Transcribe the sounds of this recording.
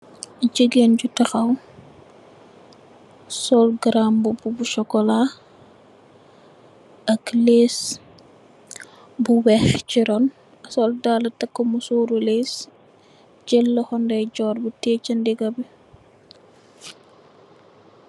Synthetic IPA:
ɟiɡenɟutɐxɐw | sɔlɡɾambububuʃɔkɔla | ɐkleːs | buwɛxt͡ʃiɾɔn | ɐsɔldaːlɐtɐkːomusoːɾuleːs | ɟɛlːɐxɔndɐjɟɔːɾbutɛːt͡ʃɐndiɡɐbi

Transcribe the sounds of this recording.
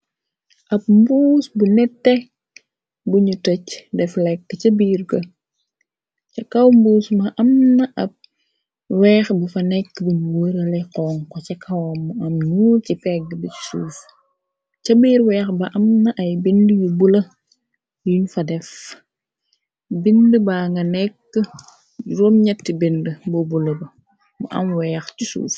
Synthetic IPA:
ʔɐp̚mbuːsbunɛtːɛ | buɲutɔcdɛflɛkːt͡ʃɐbiːrɡɐ | cɐkɐwmbuːsmɐʔɐmnɐʔɐp̚ | wɛːxbufɐnɛkːbuɲuwəɾɐlɛqɔːŋkɔcɐkʰɐwɐmuɐmnuːcipɛɡəbət͡ʃi̥sṵːf | cɐbiːɾwɛːxbɐʔɐmnɐʔɐjbindəjubulɐ | juɲfɐdɛf | bindəbaŋɡɐnɛkːə | ɾɔːmɲɛtːibindəbɔbulɐbɐ | mɐ̰ʔɐ̰mwɛːxcisṵːf

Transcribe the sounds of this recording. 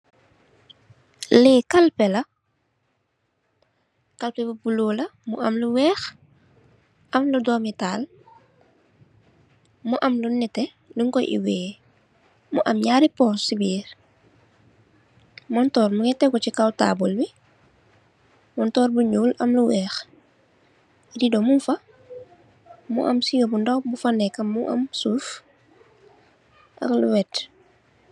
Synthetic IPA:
lɛːkɐlpɛlɐ | kɐlpɛbubuloːlɐmṵʔɐmluwɛːx | ʔɐmludɔːmitaːl | muʔɐmlunɛtɛ | luŋkɔjʔḭwɛː | muʔɐmɲaːɾipɔːsibiːɾ | mɔntɔːɾmuŋɛtːɛkɔt͡ʃikawta̰ːbɔlbi | mɔntɔːɾbuɲuːlɐmluwɛːx | didɔmunfɐ | mṵʔɐ̰msijɔbundɐwbufanɛkːɐmːuʔɐ̰msuːf | ʔɐ̰lluwɛt

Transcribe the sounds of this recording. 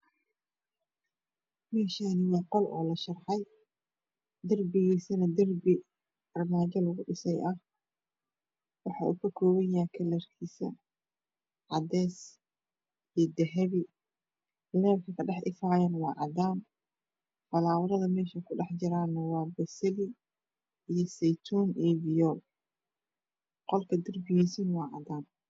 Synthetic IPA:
mɛːʃaːnɪwɑːqɔlʔɔ̰ːlɐʃɐrħɑj | d̪ɐrbɪɣiːsɐnɐd̪ɐrbɪ | ɐrmaːt͡ʃɐlɐɣʊɖɪsɛjʔɐh | wɑħɑ̰ːʔṵkʰɐkʰɔːwɐjaːkʰɐlɐrkʰiːsɐ | ʕɑd̪ɛːs | ijd̪ɛɦɛβɪ | lɛːbkʰɐkʰɐɖɛħʔɪfaːjɐnwɑːʕɑd̪aːm | fɐlaːwɐðɐðɐmɛːʃɐkʰʊɖɑħd͡ʒɪɾaːnɐwɑːbɐsɐlɪ | ijɔsɛjt̪ʰuːnʔibɪjɔ | qɔlkʰɐd̪ɐrbɪjiːsinwɑːʕɑ̰d̪aːm

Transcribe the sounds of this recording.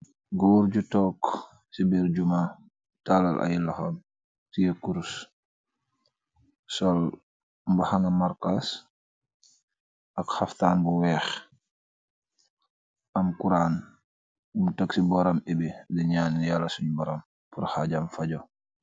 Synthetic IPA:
ɡɔɾɟutɔːk | sibiɾd͡ʒuma | tala̰lʔa̰jilaxam | sijekuɾs | sɔl | mbahaŋɐmaɾkas | ʔɐkhaftaːnbuwɛːx | ʔɐmkuɾaːn | mutaksibɔɾamebiliɲaːnjaːlːɐsuɲbɔɾam | puɾhaɟamfaɟɔ

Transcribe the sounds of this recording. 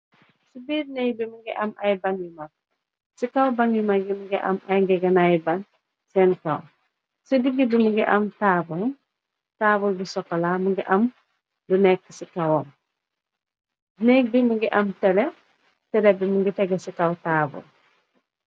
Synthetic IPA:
sibiːɾnɛk̚bimuŋɡiʔɐmɐjbaŋjuma | sikawbaŋjumaɡimuŋɡɛʔɐ̰mɐjŋɡɛɡɐnajbɐn | sɛnkɐ̰w | sidiɡibimuŋɡɛʔɐmtaːbul | taːbulbisɔkːɐlamuŋɡiʔɐm | dunɛk̚ːisikɐwɔn | nɛk̚bimuŋɡiʔɐmtɛlɛ | tɛɾɛbimuŋɡitɛɡɛsikawtaːbṵl

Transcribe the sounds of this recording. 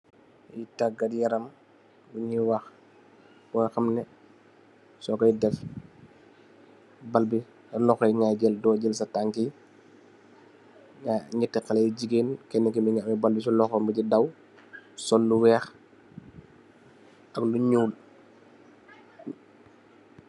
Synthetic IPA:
jitaɡɐdjɐɾɐm | luɲiwax | bɔjxɐmnɛ | sɔɡɐjdɛf | balbi | lɔxɔjŋaɟɛldɔɟɛlsɐtaŋki | aɲitːɛkalɛjɟiɡeːnkɛnːɛkimiɲaʔmɛbalbis̬ulɔxɔmbiɟidaw | sɔlːuwɛːx | ɐɡluɲuːl

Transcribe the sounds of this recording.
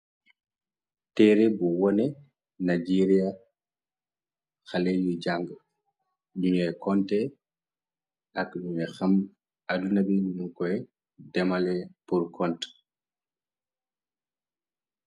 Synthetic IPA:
tɛɾɛbɔwɔnɛ | nad͡ʒeɾija | xalejud͡ʒaŋɡ | ɗuɲiaɛkɔntɛ | akɗumɛxam | adunabiminumkɔɛ | dɛmalɛpuɾkɔnt

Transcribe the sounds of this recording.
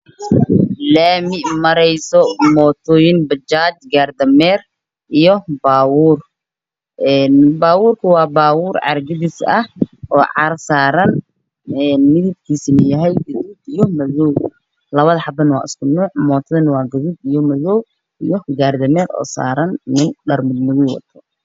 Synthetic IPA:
laːmɪʔmɐɾɛjsɔmɔːt̪ʰɔːjɪnbɐt͡ʃaːt͡ʃɡaːrd̪ɐmɛːr | ʔijɔbaːwuːr | ʔɛːnbaːwuːrkʰɐwɑːbaːwuːrʕɑ̰rɡɪðɪsɐhʔɔːʕɑ̰rsaːɾɐn | ɛːnmɪðɪb̚kʰiːsɪnɐjɐɦɛjɡɐðuːd̪ijɔmɐðɔw | lɐβɐðɐħɑbɐnwɑ̰ːʔɪskʰʊnuːʕmɔːt̪ʰɐðɐnɐwɑːɡʊðuːd̪ijɔmɐðɔw | ʔijɔɡaːrd̪ɐmɛːɾɔ̰ːsa̰ːɾɐnnɪnɖɐrmɪd̪mʊðʊwɐ̰t̪ʰɔ

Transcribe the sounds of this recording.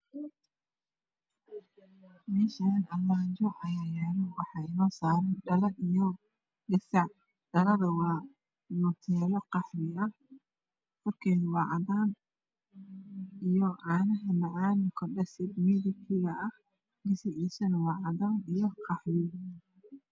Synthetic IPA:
mɛːʃanɐlmaːɲt͡ʃɔʔɐjaːjɛːlɔwɑħɑɪnɔːsaːɾɐnɖɐlɐnijɔ | ɡɐsɐʕ | ɖɐlɐðɐwɑː | nɔt̪ʰɛːlɔqɑħɾɪɐh | fɔrkʰɛðwɑːʕɑðaːn | ijɔʔaːnɐɦɐmɐʕɑːnʊkʰɐɖɐsɪd̪miːðɪt̪ʰɪɣɐɐh | ɡɪsɪʕiːsɐnwɑːʕɑðaːnijɔqɑħɾɪ

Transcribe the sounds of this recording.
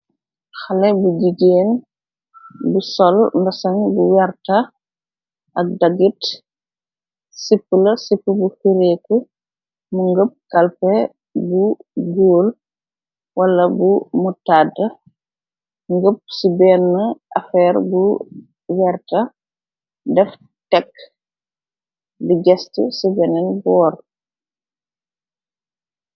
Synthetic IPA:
xɐlɛbuɟiɡeːn | busɔlmbɐsɐŋbuwɛrtɐ | ɐk̚dɐɡit | sipːəlɐsipːəbufiɾɛːku | muŋɡəp̚kɐlpɛ | buɡoːl | wɐlɐbumutadɐ | ŋɡəp̚sibɛːnːɐʔɐfɛːɾbu | wɛrtɐ | dɛf | tɛkː | diɟɛstṵsibɛnɛnbɔːr

